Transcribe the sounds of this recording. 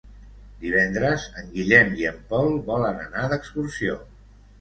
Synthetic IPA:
d̪iβɛnd̪ɾəzəŋɡiʎɛmiəmpɔlˠbɔlənənaðəkskursio

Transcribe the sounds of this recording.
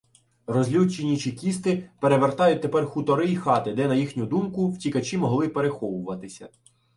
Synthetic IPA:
rɔzʲlʲut͡ʃenʲit͡ʃikʲist̪ɪpe̞ɾeʋert̪ɑjʊt̚ʲt̪epɛrxʊt̪ɔɾɪixɑt̪ɪd̪ɛnɐjixnʲʊd̪umkʊwtʲikɐt͡ʃimɔɦlˠɪpeɾexɔʋʊʋɐt̪ɪsʲɐ̰

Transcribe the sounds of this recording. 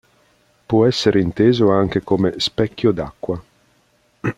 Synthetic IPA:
pɔɛsːeɾeint̪eːzoaŋk̟ekomespɛkːjod̪akːwa

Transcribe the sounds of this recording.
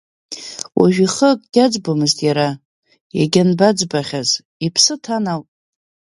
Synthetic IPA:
wʔa̰ʒᶣiχəkʼɡ̥ʲad͡zbomɨztʼjaɾa | jaɡʲanbad͡zbaχʲaz | ipʰsɨtʰanawtʼ

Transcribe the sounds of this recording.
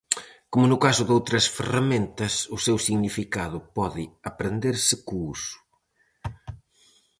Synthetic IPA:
komʊnʊkasʊðowt̪ɾɐsferɐmẽnt̪ɐsʊsewsiɣnifikaðʊpɔðɪɐpɾend̪eɾsɪkuusʊ̥

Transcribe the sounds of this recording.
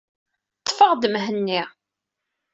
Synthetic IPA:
t̪ːfəʁd̪əmɦənːi

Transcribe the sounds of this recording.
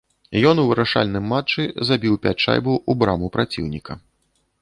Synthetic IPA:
jɔnuvɨɾaʂa̰lʲnɨmːat͡ʂːɨzabʲiwpʲat͡ʂa̰jbuubɾamupɾat͡sʲḭwnʲikɐ

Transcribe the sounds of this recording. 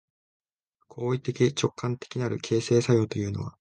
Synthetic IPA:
kʰo̞ːit̪e̞kʲit͡ɕo̞kʰːãnt̪ekʲinaɾɯ̟kʰe̞ːse̞ːsajo̞ːt̪o̞jɯ̟ːno̞̰βa̰

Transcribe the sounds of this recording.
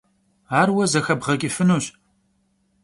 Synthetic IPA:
aːrwɐzɐxɐbʁɐkʲʼifɨnuːɕ

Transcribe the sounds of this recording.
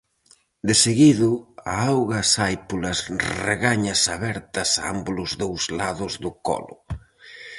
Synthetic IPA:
d̪ɪseɣiðʊaawɣɐsajpulɐsrḛɣaɲɐsaβɛɾt̪ɐsa̰a̰mbʊlʊzðowzlaðʊzðʊkɔ̰lʊ̰

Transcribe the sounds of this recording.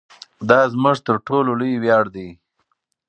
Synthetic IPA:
d̪ɑzmʊʐt̪əɾʈʰololəwjɑːɽd̪i

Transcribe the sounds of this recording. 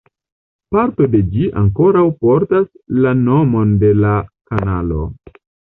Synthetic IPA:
paɾto̞de̞d͡ʒiʔa̰ŋko̞ɾawpo̞ɾtas | lano̞mo̞nde̞lakanalo̞̰

